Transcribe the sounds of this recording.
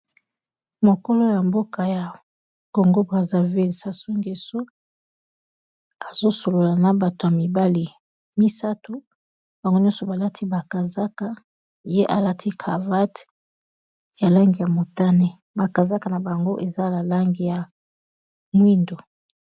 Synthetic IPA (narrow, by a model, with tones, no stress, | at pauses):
mo˨ko˦lo˦ja˨mbo˦ka˨ja˨ | ko˨ŋɡo˦bʁa˨za˨vi˦lsa˦su˦ŋɡe˨so˦ | a˨zo˦so˨lo˨la˨na˨ba˨to˨ja˨mi˨ba˦li˨ | mi˦sa˦to˦ | b̥a˨ŋɡo˦ɲjɔ̃˦so˨ba˨la˦tʰi˦ba˨ka˨za˦ka˨ | je˦ʔa˨la˦ti˦kʰa˨va˦t | ja˨la˦ŋɡi˨ja˨mo˨ta˦ne˦ | ba˨ka˨za˦ka˨na˨ba˨ŋɡo˦ʔe˨za˦la˨la˦ŋɡi˨ja˨ | mwi˦ndo˨